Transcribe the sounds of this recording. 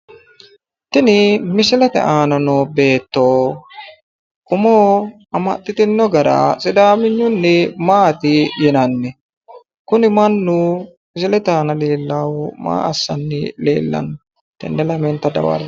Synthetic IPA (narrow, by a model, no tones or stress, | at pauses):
t̪ɪnɪmɪsɪlɛt̪ɛ̰ʔaːnɐnobe̞ːt̪ːoː | kʊmoː | ɐmɐ̰t̪ʼːɪt̪ɪnːɔɡɐɾa̰sʼɪd̪aːmɪɲːʊnːɛmaːt̪ɪjɛnɐnːɛ | kʊnɪmɐnːʊ | mɪsɪlɛt̪aːnɐleːlːaːwʊma̰ːʔɐsːɐnːɪlḛːlːɐ̰n | t̪ɛ̰nːɛlɐmɛnt̪ɐd̪ɐ̰wɐ̰ɾ